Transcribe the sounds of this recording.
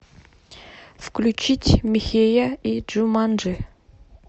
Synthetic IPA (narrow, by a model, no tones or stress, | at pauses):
fklʲut͡ɕitʲmʲɪxʲejaid͡ʒumanʐɨ